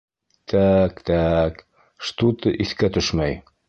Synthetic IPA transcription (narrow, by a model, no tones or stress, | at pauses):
t̪ʰækt̪æk | ʃt̪ut̪ɤʔiθkæt̪ɵʃmæj